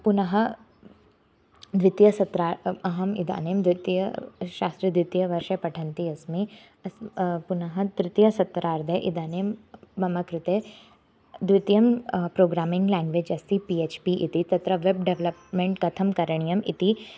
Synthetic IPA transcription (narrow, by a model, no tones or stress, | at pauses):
punɐɦɐ | d̪ʋɪt̪jɐsɐt̪ɾaːɾɐɦɐmid̪a̰ːneːmd̪ʋit̪jɐʃaːst̪ɾɐd̪ʋit̪jɐʋɐɾʃɐpɐʈʰɐnt̪iɐsmi | ɐspunɐɦɐt̪ɾɪt̪jɐsɐt̪ːɾaːɾd̪ʱɐjʔid̪ʱaːneːmbɐmɐkɾut̪eː | d̪ʋit̪jɐmpɾoːɡɾaːmĩŋɡlãːŋɡʋeːd͡ʒɐst̪ipiet͡ʃpiʔḭt̪it̪ɐt̪ɾɐʋebɖeʋlɐpmẽɳʈkɐt̪ʰɐmkɐɾɐɳ̃ijɐmḭt̪i